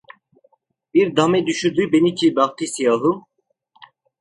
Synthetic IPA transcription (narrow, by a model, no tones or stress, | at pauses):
biɾd̪amɛd̪yʃyɾd̪ybenicʰibɑχt̪ʰisijɑːɦum